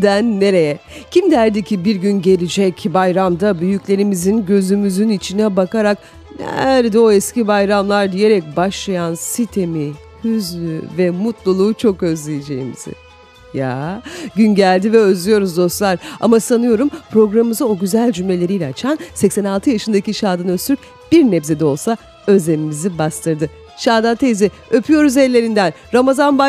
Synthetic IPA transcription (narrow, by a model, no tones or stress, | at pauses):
d̪ænːe̞ɾe̞jɛcʰimd̪æɾd̪icʰibiɾɟynɟe̞lʲid͡ʒɛcbajɾamd̪abyjycʲlʲe̞ɾimizinɟø̞zymyzynit͡ʃʰinɛbakaɾak | næ̰ɾd̪ɛo̞ɛscibajɾamlˠaɾd̪ijeɾɛc̚baʃlˠajansit̪ʰe̞mi | hyzlʲyvɛmut̪lˠulˠuːt͡ʃʰo̞kø̞zlʲejed͡ʒe̞̰jimḭz̥ɪ̰ | ja̰ɟynɟælʲd̪ivɛøzlʲyjo̞ɾuzd̪o̞st̪lˠaɾa̰masanɯjo̞ɾumpɾo̞ɡɾamɯmɯzao̞ɟyzælʲd͡ʒymlʲe̞lʲe̞ɾijlʲɛat͡ʃʰansɛcsɛnalˠt̪ʰɯjaʃɯnd̪aciʃaːd̪anøst̪yɾyp | b̥iɾnɛbze̞d̪ɛo̞lˠsa | ø̞zemimizibast̪ʰɯɾd̪ɯ | ʃaːd̪ant̪ʰezi | ø̞pʰyjo̞ɾuzɛlʲːe̞ɾind̪ænɾamazanba